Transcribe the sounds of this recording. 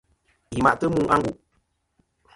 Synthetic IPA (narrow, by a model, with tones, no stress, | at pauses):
ji˨ma̰˨ʔtə˦mu˦ʔa˦ŋɡu˨ʔ